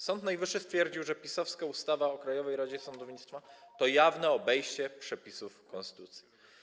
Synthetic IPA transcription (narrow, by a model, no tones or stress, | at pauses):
sɔnt̪najvɘʂːɘst̪fʲjɛɾd͡ʑiwʐɛpʲisɔfskaust̪avaɔkɾajɔvɛjɾad͡ʑɛsɔnd̪ɔvɲit̪t̪fat̪ɔjavnɛɔbɛjɕt͡ɕɛpʂɛpʲisufkɔ̃nst̪̆t̪ut̪sʲji